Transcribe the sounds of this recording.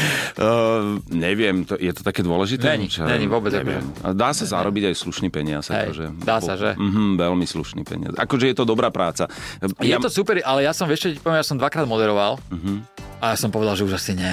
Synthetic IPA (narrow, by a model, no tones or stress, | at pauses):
ɲɛʋɪɛmt̪ɔjɛt̪ɔt̪akɛːd̪ʊɔlɛʒit̪ɛɛɲit͡ʃaɲɛɲiʋɔbɛd͡za̰ɛ̰ʋɪ̰ɛ̰ma̰d̪aːsaza̰ɾɔbiɟajsluʃniːpɛɲɪazaɛ̰kɔʒɛd̪aːsaʒɛ̰m̩ɦm̩ʋɛlmislṵʃnḭːpɛ̰ɲɪ̰a̰sa̰kɔʒɛjɛt̪ɔd̪ɔbɾaːpɾʔaːt͡sajaɛt̪ɔsuːpɛɾʔalɛjasɔmʋɪɛʃkɛc̚pɔʋɛmjasɔmd̪ʋakɾaːd̪mɔd̪ɛɾɔʋalm̩ɦmajasɔmpɔʋɛd̪alʒɛuʒasiɲɛ